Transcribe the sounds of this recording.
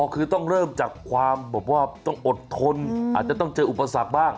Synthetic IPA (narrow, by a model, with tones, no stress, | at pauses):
ɔː˧kʰɯː˧t̪ɔ˥˩ŋɾɤː˥˩mt͡ɕaː˨˩kʰwaː˧mbɛː˨˩p̚waː˥˩t̪ɔ˥˩ŋʔo˨˩t̪ʰːo˧nʔaː˨˩t̪̚t͡ɕa˨˩t̪ɔ˥˩ŋt͡ɕɤː˧ʔu˨˩pːa˧sa˨˩k̚baː˥˩ŋ